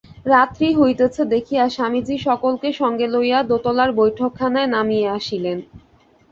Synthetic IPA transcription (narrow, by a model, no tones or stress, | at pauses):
ɾat̪ɾiɦojt̪et͡ɕʰed̪ekʰiaʃamid͡ʑiʃɔkolkeʃɔŋɡelojad̪ot̪olaɾbojʈʰokʰːanaenamijeaʃilen